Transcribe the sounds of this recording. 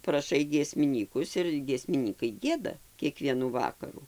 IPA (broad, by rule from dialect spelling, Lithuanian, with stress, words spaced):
prɐˈʃɐɪ ɡʲiɛsʲmʲɪˈnʲiːkʊs ɪr ɡʲiɛsʲmʲɪˈnʲiːkɐɪ ˈɡʲiɛdɐ kʲiɛˈkʋʲiɛnuː ˈʋɑːkɐrʊ